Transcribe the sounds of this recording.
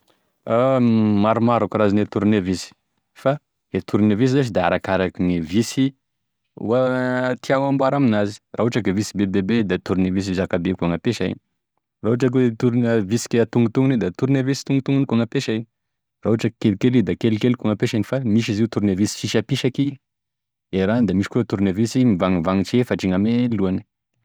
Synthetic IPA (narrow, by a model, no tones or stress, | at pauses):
amaɾumaɾakurazinet̪uɾunevisi̥ | fa | et̪ʰuɾnevis̬izaʃ̬id̪aa̰ɾakaɾakinivisḭ | wat̪iaŋambuaɾaminazi̥raɦuʈ͡ʂakevisibebebed̪at̪uɾinevis̬izakabekaŋapeʃaḭni | raɦuʈ͡ʂak̬et̪uɾunəvisi̥kʲet̪uŋut̪uŋuned̪at̪uɾnavisi̥t̪uŋut̪uŋunikaŋapeʃaini | rauaʈ͡ʂakelkelid̪akelkelkaŋapeʃinifamiʃiziut̪uɾunavisi̥fiʃapiʃaki | eɾand̪amiʃi̥kut̪uɾinavisimivaŋivaŋit͡ʃefaʈ͡ʂiŋameluani̥